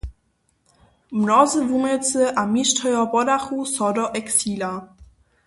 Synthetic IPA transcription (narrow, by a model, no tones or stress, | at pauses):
mnɔzəvumɛt͡səʔamiʃtʰɔjɔbɔdaxusɔdɔʔɛksiːla